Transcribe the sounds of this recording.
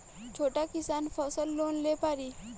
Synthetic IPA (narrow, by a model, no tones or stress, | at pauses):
t͡ʃʰoːʈakɪsaːnpʰɔːsəlːoːnleːpaːɾiː